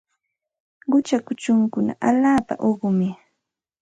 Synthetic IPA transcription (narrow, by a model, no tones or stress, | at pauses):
ɢʊt͡ʃakʊt͡ʃʊŋkʊna̰ʔaʎaːpa̰ʔoɢʊmɪ